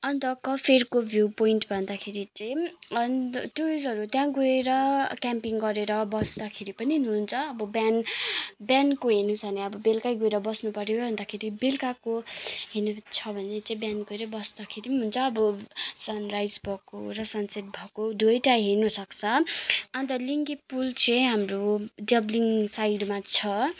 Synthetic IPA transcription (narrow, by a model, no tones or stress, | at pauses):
ʌnt̪ʌkʌpʰerkobʱjupoinʈbʱʌnd̪akʰeɾit͡saj | ʈuɾisɦʌɾut̪jãɡoeɾʌkʲampiŋɡʌɾeɾʌbʌsd̪akʰeɾipʌniɦunuɦunt͡sʰʌːbʌbjanbjankoɦinusʰʌneʌbʌbelkajɡoeɾʌbʌsnupʌɾjobʱʌnd̪akʰeɾibelkakoɦenut͡sʰʌbʱʌnet͡saĩbjanɡoeɾʌbʌsd̪akʰeɾinɦunt͡sʰʌːbʌsʌnrajd͡zbʱʌko̰ɾʌsʌnset̪̚bʱʌkod̪ujʈaɦirnʌsʌkt͡sʰʌʌnt̪ʌliŋɡepult͡sʌ̃ɦamroɖʌbliŋsajɖmat͡sʰʌ